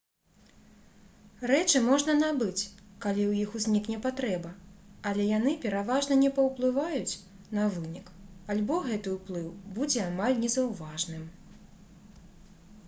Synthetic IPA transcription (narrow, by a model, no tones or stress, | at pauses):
ɾɛt͡ʂɨmɔʐnɐnabɨt͡sʲkalʲiwjixuzʲnʲiknʲɛpat̪ɾɛbɐːlʲɛjanɨpʲɛɾavaʐnɐnʲɛpɐwplˠɨvajut͡sʲ | n̪ɐvɨnʲikalʲbɔɣɛt̪ɨwuplˠɨwbud͡zʲɛamalʲnʲɛzɐwvaʐnɨm